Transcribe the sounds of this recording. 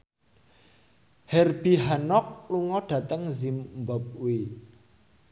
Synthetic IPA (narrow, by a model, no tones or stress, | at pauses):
hɛrb̥iɦanɔk̚luŋɔɖ̥ä̤t̪əŋzimmbɔp̚wi